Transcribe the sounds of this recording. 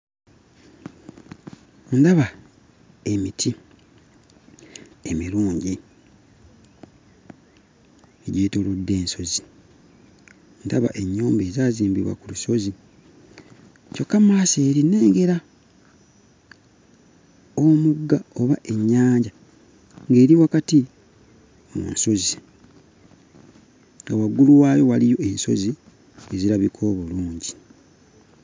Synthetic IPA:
ndaβa | e̞mitʰi | emiɾuːɲɟi | eɟiːtoludːe̞ːnso̞zi | ndaβa̰ʔe̞ɲːoːmbe̞ːzaːziːmbiβwa̰kuluso̞zi | co̞kːamaseːɾine̞ːŋɡe̞ɾa | omuɡːao̞βaʔe̞ɲːaːɲɟa | ŋɡe̞ːɾiwakati | omṵnso̞zi | ŋɡawaɡuluwaːjo̞walijo̞e̞nso̞̰zi | e̞ziɾaβikʰoβoluːɲɟi

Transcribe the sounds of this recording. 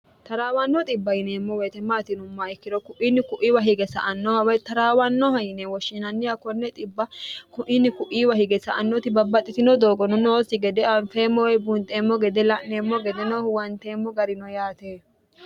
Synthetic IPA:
t̪ɐɾaːwɐnːɔt̪ʼɪbːɐjɪneːmːɔwɛjt̪ɛmaːt̪ɪnʊmːɐɪkːɪd̪ɔkʊʔinːɪkʊʔiwɐɦɪɡɛsɐ̰ʔɐnːɔhɐwɐjt̪ɐɾaːwɐnːɔɦɐjɪnewɔʃːɪnɐnːɪjɐkɔnːɛt̪ʼɪbːɐkʊʔɪnːɪkʊʔiːwɐhɪɡɛsɐʔɐnːɔt̪ɪbɐbːɐt̪ʼːɪt̪ɪnɔd̪oːɡɔnɔnoːsɪɡɛd̪ɛɐnfeːmːɔwɛjbʊnt̪ʼeːmːɔɡɛd̪ɛlɐʔneːmːɔɡɛd̪ɛnɔwɐnt̪eːmːɔɡɐɾɪnɔjaːt̪eː

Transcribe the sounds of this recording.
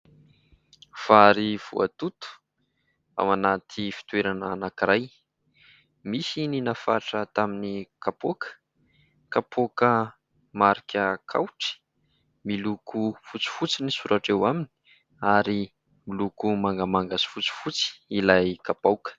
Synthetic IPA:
faɾiv̥ṵa̰t̪ut̪u̥ | a̰manat̪ʰifi̥t̪weɾanəːnakiɾaj | misininafaʈ͡ʂət̪aminikapokə̥ | kapʰokə | maɾikʰʲəkʰa̰wʈ͡ʂi̥ | milukufut͡si̥fut͡sinisuɾʔaʈ͡ʂewamini̥ | aɾi | milukumaŋɡəmaŋɡasi̥fut͡si̥fut͡si̥ilajkapawkə̥

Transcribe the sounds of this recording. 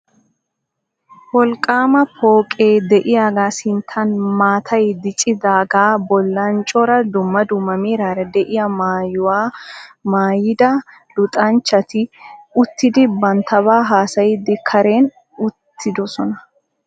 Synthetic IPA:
wɔlkʼːaːmɐpʰoːkʼeːd̪ɛʔɪjaːɡaːsɪnt̪ʰːɐnmaːt̪ʰɐjd̪ɪt͡ʃʼɪd̪aːɡaːbɔlːɐnt͡ʃʼɔɾɐd̪ʊmːɐd̪ʊmːɐmiːɾaːɾɛd̪ɛʔɪjɐmaːjʊwaːmaːjɪd̪ɐ | lʊt̪ʼɐnt͡ʃːɐt̪ɪʊt̪ːɪd̪ɪbɐnt̪ʰɐβaːɦaːsɐjɪd̪ɪkʰɐɾe̞ːn | ʊt̪ːɪd̪ɔsɔnɐ

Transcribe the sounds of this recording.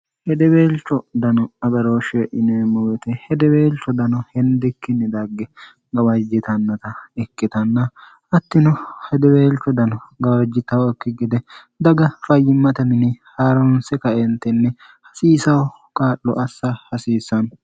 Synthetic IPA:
hɛd̪ɛbeːlt͡ʃːɔd̪ɐnɔɐɡɐɾoːʃeʔɪnemɔwɛt̪ɛhɛd̪ɛbeːlt͡ʃːɔd̪ɐnɔhɛnd̪ɪkːɪnːɛd̪ɐɡːɛ | ɡɐwɐd͡ʒɪt̪ɐnːɐt̪ɐɛkːɪt̪ɐnːɐ | ɐt̪ːɪnɔhɛd̪ɛbeːlt͡ʃːɔd̪ɐnɔɡɐwɐd͡ʒːɪt̪ɐwɛkːɪɡɪd̪ɛ | d̪ɐɡɐfɐjːɪmːɐt̪ɐmɪnɪhaːɾɔnsɛkɐʔɛnt̪ɛnːɛ | hɐsiːsɐw | kʼaːʔːɔ̰ʔɐsːɐhɐsiːsːɐn

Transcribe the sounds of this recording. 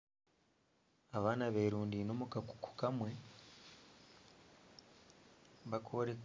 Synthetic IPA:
aβaːnaβeɾuːndino̞mukaku̥ku̥kamwe̞ | βakʰoɾek

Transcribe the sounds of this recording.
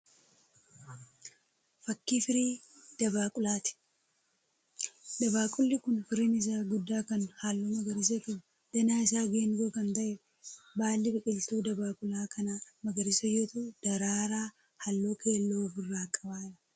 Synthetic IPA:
fɐkːiːfɪɾiːd̪̥ɐβaːkʼʊlaːt̪ɪ̥ | d̪ɐbaːkʼʊlːɪkʊnfɪɾiːnɪs̬aːɡʊd̪ːaːkɐnhaːlːoːmɐɡɐɾɪs̬ɐk̪ʊ | d̪̥ɐnaːɪsaːɡeːŋɡoːkɐnt̪ɐʔɛ | baːlːɪbɪkʼɪlt̪uːd̪ɐbaːkʼʊlaːkɐnamɐɡɐɾɪsɐjot̪ud̪̥ɐɾaːɾaː | hɐlːoːkʰe̞ːlːoːfʊrːaːkʼɐbaːᶑɐ̥

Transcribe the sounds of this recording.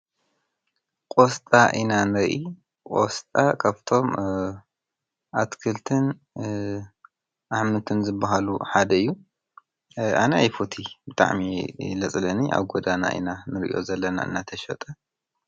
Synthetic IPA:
kʼost̪ʼaʔinanɨɾʔi | kʼo̰st̪ʼakʰaβt̪ʰo̞m | ʔat̪kʰɨlt̪ʰɨn | ʔaħmɨt̪ʰɨnzɨbːaɦalṵħad̪ɐɨjːu | a̰najfut̪ʰibɨt̪ʼa̰ʕmilɐt͡sʼlɐniʔa̰βɡod̪ana̰ʔḭnanɨɾʔḭjo̞̰zɐlːɐna̰ʔɨ̰nːat̪ʰɐʃɐt̪ʼɐ

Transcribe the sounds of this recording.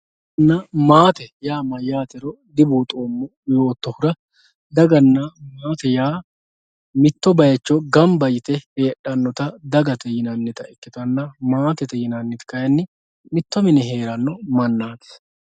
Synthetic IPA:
nːɐmaːt̪ɛjaːmɐjaːt̪ɛɾɔ | d̪ɪbuːt̪ʼoːmːɔ | joːt̪ːɔhʊɾɐ | d̪ɐɡɐnːɐmaːt̪ɛjaː | mɪt̪ːɔbɐjɐt͡ʃːɔɡɐmbɐjɪt̪ɛheːᶑːɐnːɔt̪ɐd̪ɐɡɐt̪ɛjɪnɐnːɛt̪ɐɛkːɪt̪ɐnːɐmaːt̪ɛt̪ɛjɪnɐnːɛt̪kɐjɐnːɪ | mɪt̪ːɔmɪnɛɦe̞ːɾɐnːɔmɐnːaːt̪ɛ̥s

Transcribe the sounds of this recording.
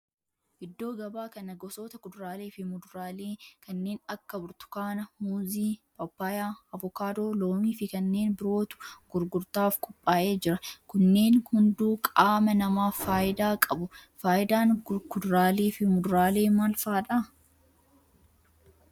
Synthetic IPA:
ʔɪd̪ːo̞ːɡɐbaːkɐnɐɡɔsoːt̪ɐkʊd̪ɾaːle̞ːfɪmʊd̪ʊɾaːleːkɐnːe̞ːnɐkːɐbʊɾt̪ʊ̥kaːnɐmuːziːpʼɐpːaːjaːɐvʊkaːd̪o̞ːlo̞ːmiːfɪkɐnːe̞ːnbɪɾo̞ːt̪ʊ̥ɡ̥ʊɾɡʊɾt̪aːfkʼʊpʼːaːʔe̞ːd͡ʒɪɾɐkʊnːe̞ːnhʊnd̪uːkʼaːmɐnɐmaːfːaːjɪd̪aːkʼɐbʊfaːjɪd̪aːŋkʊd̪ʊɾaːle̞ːfɪmʊd̪ʊɾaːle̞ːmaːlfaːᶑa

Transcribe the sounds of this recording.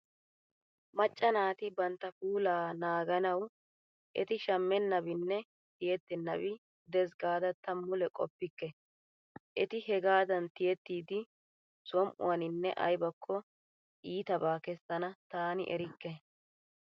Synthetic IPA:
mɐt͡ʃʼːɐnaːt̪ɪbɐnt̪ːɐfuːlaːnaːɡɐnɐw | ʔɛt̪ɪʃɐmːɛnːɐβɪnːɛ | t̪ɪjɛt̪ːɛnːɐbɪ | d̪ɛsɡaːd̪ɐt̪ɐmːʊlɛkʼɔ̰pːɪkːɛ | ʔɛt̪ɪhɛɡaːd̪ɐnt̪ɪjɛt̪ːiːd̪ɪ | sɔmʔʊ̰wɐnɪnːɛ̰ʔɐ̰jbɐkʰːɔ | ʔiːt̪ɐbaːkɛst̪ːɐnɐt̪aːnɪ̰ʔɛɾɪkːɛ

